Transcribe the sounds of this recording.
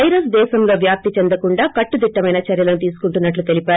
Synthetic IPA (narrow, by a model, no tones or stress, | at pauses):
ɐjɾɐsd̪ɛːʃɐmlo̞ːʋjaːp̚t̪it͡ʃend̪ɐkuɳɖaːkɐʈːud̪iʈːɐmɐjnɐt͡ʃɐɾjɐlɐnut̪iːsu̥kuɳʈunːɐʈlut̪e̞lipaːɾu